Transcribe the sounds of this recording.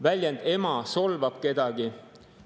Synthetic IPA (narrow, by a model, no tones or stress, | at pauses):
vælʲjɑnd̪̥e̞mɑso̞lvɑb̥̚ke̞d̪̥ɑɡ̥i